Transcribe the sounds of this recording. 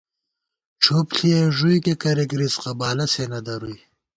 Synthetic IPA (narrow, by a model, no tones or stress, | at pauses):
ʈ͡ʂʰopɬieʐujkekɐɾeɡɾizqabaːlɐsenɐd̪ɐɾuj